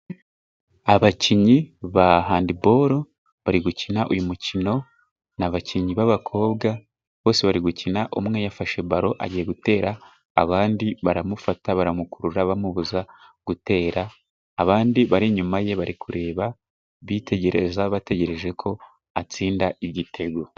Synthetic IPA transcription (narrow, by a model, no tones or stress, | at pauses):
aβaciɲiβaɦaːndibo̞ːɾo̞ | βaɾiɡucinaʔujumucino̞ | naβaciɲiβaβakʰo̞ːβɡa | βo̞ːse̞βaɾiɡucinaʔomŋe̞jafaʃe̞baɾo̞ʔa̰ɟije̞ɡute̞ːɾaː | βaːndiβaɾamufataβaɾamukuɾuɾaβamuβuzaɡ̥ute̞ːɾaː | βaːndiβaɾiɲumaje̞βaɾikuɾe̞ːβa | βitʰe̞ɟe̞ɾe̞zaβate̞ɟe̞ɾe̞ʒe̞kʰo̞ | at͡siːndaʔiɟitʰe̞ɡo